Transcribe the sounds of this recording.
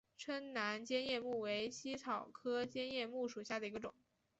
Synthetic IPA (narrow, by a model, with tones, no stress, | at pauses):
ʈ͡ʂʰwə˥nna˧˥nt͡ɕjɛ˥njɛ˥˧mu˥˩we˧˥ɪɕi˥t͡sʰɑ˨˩ʊkʰɤ˥t͡ɕjɛ˥njɛ˥˧mu˥˩ʂu˨˩ɕja˥˩d̪ə˩i˧˥ɡə˧ʈ͡ʂʊ̰˨˩˦ŋ